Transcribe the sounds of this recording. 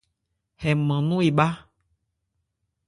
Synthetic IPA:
hɛ˨mə̃˨nũ˦e˨ɓa˦

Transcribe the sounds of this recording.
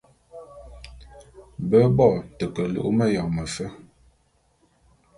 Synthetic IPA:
bə˦bɔ˦˨tə˨kə˨lṵ˦˨ʔmə˦ja˨ŋmə˨fə˦

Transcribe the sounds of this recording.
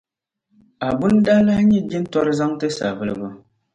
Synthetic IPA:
a˨bu˦n˦da˦la˦ɲɛ˦d͡ʒi˦n˦tɔ˦ɾɨ˦za˦ŋtɨ˦sa̰˨vɨ˦lɨ˦bʊ˦

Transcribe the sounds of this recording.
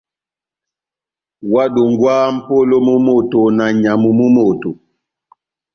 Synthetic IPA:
wa˦ɗu˨ŋɡwaː˦m̩˦po˦lo˦mu˦mo˦˨to˨na˨ɲa˨mu˨mu˦mo˨to˨

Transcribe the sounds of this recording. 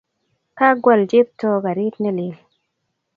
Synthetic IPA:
ka˦ɡwa˨ld͡ʒe˦p̚tɔ˦ka˨ɾi˦tnɛ˦li˨l

